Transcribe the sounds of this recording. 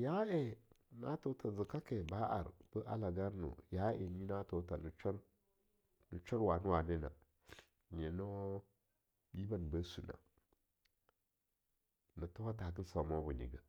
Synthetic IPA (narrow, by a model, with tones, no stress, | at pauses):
ja˦e˨ | na˦to˨ta˨zə˨ka˦ke˨ba˦ʔa̰˨ɾb̥ə˦ʔa̰˦la˨ɡa˦ɾnṵ˨ja˦ḛ˨ɲi˦na˦to˨ta˨nu˨t͡ʃa˦ɾ | nu˨t͡ʃa˦ɾwa˨nu˦wa˨ne˦na̰˨ | ɲe˨no˦ | bi˦ba˨n˨bə˦su˨na̰˨ | na˨to˦wa˦ta˨k̬i˦n˦sa˨mo˦bu˨nḭ˨ɡə˨